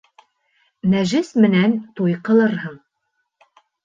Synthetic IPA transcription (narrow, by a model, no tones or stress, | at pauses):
næʒɘsmɘ̆nænt̪ujqɤ̆lˠɤɾɦɤɴ